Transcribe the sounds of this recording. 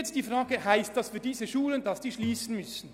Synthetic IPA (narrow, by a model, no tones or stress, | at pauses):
ɛt͡sst̚d̥iːfʁaːɡəhaɪstd̥asfyːɐdiːzəʃuːləndasd̥iːʃliːsn̩mʏsn̩